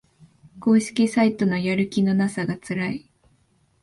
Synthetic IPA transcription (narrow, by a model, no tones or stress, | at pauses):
ko̞ːɕi̥kʲisait̪o̞no̞jaɾɯ̟kʲino̞nasaɡat͡sɨɾai